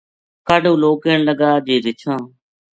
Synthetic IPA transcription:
kaːɖũːloːkeːɳləɡaːd͡ʒeːd̪ɪt͡ʃʰãː

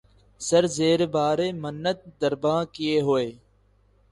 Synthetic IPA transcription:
səɾzeːɾebaːɾeːmənːət̪̚d̪əɾbãːkɪjeːɦoːeː

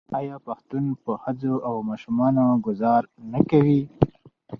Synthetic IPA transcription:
ɑjɑpaxt̪unpəhad͡zoʔawmɑʃumɑnoɡʊzɑɾnakawi

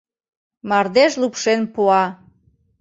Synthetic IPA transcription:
mɑrd̪eʃlupʃenpuɑ

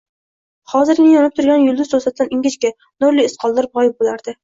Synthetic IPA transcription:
hɒzɪɾɡʲɪnɪjɒnɪp̚t̪ʰʊɾɡʲanjʊlˠd̪ʊzt̪ʰʊsat̪̚sʲanɪŋʲɪt͡ʃkʲa | nʊɾlɪːsqʰɒlˠd̪aɾbʁɒjɪp̚bolaɾd̪̥ɪ

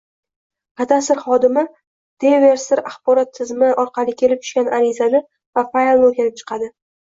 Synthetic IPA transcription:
qʰɑt̪asɪɾχɒd̪ɪmɪ | d̪̥eve̞ɾsɪɾaχbɒɾɒt̪ʰːɪzmɪʔɒɾqʰɑlˠɪkʲʰe̞lɪp̚t͡ʃ̪ʰʊʃkʲanʔaɾɪzanɪ | vafajlˠoɾkʲanɪp̚t͡ʃʰɨ̥qʰɑd̪ɪ

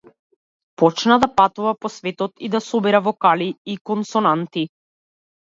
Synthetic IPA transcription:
pɔt͡ʃnad̪apat̪uvapɔsvɛt̪ɔt̪id̪asɔbiɾavɔkaliːkɔnsɔnant̪i

